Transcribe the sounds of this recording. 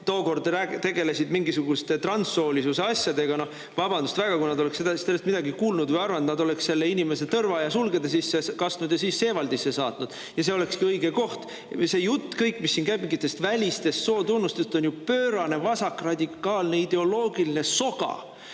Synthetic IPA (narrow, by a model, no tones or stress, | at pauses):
t̪o̞ːko̞rd̪ræt̪e̞ɡe̞lesid̪miŋɡisuɡ̥ust̪e̞t̪rɑnsːo̞ːlʲisuseɑsʲjɑd̪e̞ɡ̥ɑno̞h | vɑb̥ɑnd̪ust̪væɡ̥ɑkujnɑd̪oe̞ksed̪ɑst̪elːest̪mid̪̥ɑɡikuːlnud̪vəjɑrvɑnt̪nɑd̪o̞le̞ksse̞lːeinimeset̪ɤrvɑjɑsulɡe̞d̪es̬isːeskɑst̪nud̪̥jɑsiːsːe̞ːvɑld̪isːesɑːt̪nud̪̥ | jɑse̞o̞le̞kskiɤjɡ̥e̞ko̞ht̪ | se̞jut̪ːkɤjkːˑmisːiːnkæjbikɡit̪ːˑe̞st̪vælʲist̪e̞st̪so̞ːt̪unːust̪est̪o̞njupø̞ːɾɑne̞vɑsɑkːrɑd̪̥ʲikːɑːlne̞id̪e̞o̞lo̞ːɡ̥iline̞so̞ɡ̥ɑ̰